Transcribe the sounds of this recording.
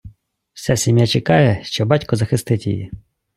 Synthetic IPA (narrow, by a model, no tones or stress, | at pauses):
w̥sʲasʲimʲjat͡ʃekɑjɛʃt͡ʃɔbɑtʲkɔzɐxɪst̪ɪtʲḭjḭ